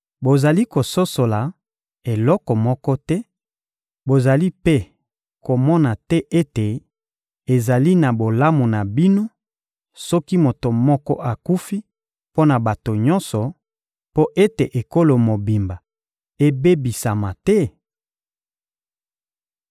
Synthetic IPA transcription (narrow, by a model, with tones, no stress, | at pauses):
bo˨za˨li˦ko˨so˦so˨la˨ | e˨lɔ˦kɔ˨mɔ˦kɔ˦tɛ˦ | bo˨za˨li˦pe˦ | ko˨mɔ˦na˨tɛ˦ʔe˦te˨ | e˨za˨li˦na˨bo˨la˦mo˨na˨bi˦no˦ | sɔ˦ki˦mo˨to˨mɔ˦kɔ˦ʔa˨ku˦fi˦ | po˦na˨ba˨to˨ɲɔ˦nsɔ˨ | po˦ʔe˦te˨ʔe˨ko˦lo˨mo˨bi˨mba˨ | e˦be˦bi˨sa˨ma˨tɛ˦